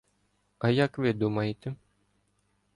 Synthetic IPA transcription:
ɐjɐkʋɪd̪umɐjɪt̪ɪ

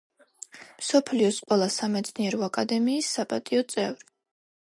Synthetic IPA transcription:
msɔpʰliɔsqʼɔlˠasamɛt̪sʰniɛɾɔakʼad̪ɛmiːsːapʼat̪ʼiɔt̪sʼɛvɾi

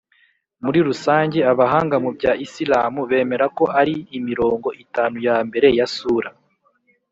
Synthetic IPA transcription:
muɾiɾusaːɲɟe̞aβaɦaːŋɡamubɟaːʔisilaːmuβe̞ːme̞ɾako̞ʔaɾiːmiɾo̞ːŋɡo̞ʔitaːnujambe̞ɾe̞jasuːɾa

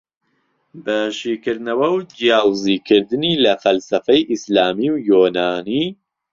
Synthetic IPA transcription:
bɐʃiːkɨɾnɐwɐwd͡ʒijaːwziːkʰɨɾd̪ɨniːlɐfɐlsɐfɐjʔislaːmiːwjoːnaːni

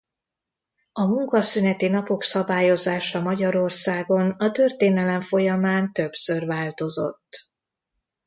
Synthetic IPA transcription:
ɒmuŋkɒsynɛt̪inɒpo̞ksɒbaːjo̞zaːʃɒmɒɟɒɾo̞rsaːɡo̞nɒt̪ø̞rt̪eːnɛlɛɱfo̞jɒmaːnt̪ø̞bsørvaːlt̪o̞zo̰t̪ː

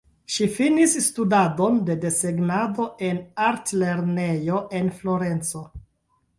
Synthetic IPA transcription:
ʃifinisːtudadonde̞de̞seɡnado̞e̞naɾtle̞ɾnejo̞ʔe̞nflo̞ɾe̞nt͡so̞

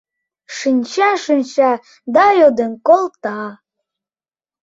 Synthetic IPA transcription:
ʃɨnʲt͡ɕɑʃɨnʲt͡ɕɑ | d̪ɑjod̪ənkolt̪ɑ

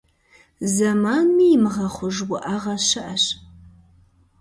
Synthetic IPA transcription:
zɐmaːnmiːmɨʁɐχʷʊʒwʊʔaʁɐɕɐʔɐɕ

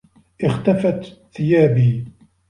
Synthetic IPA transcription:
ʔɪxt̪afat̪θɪjaːbiː

